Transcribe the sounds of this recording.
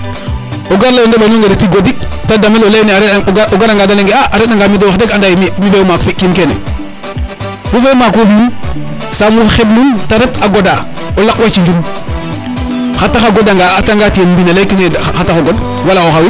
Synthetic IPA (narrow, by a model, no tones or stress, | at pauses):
oɡaɾlajondolonoŋɡedetiɡoditadamelolajneaɾʔoɡaɾaŋɡadaleŋɡeaaɾetaŋɡamidewaxdeɡandajmimidemakfikimkenḛ | kufemakuhin | samufxebnuntaɾetaɡoda | olakwat͡ʃid͡ʒum | xataxaɡodaŋɡataŋɡatienmbinelajkinexataxoɡod | walaoxawi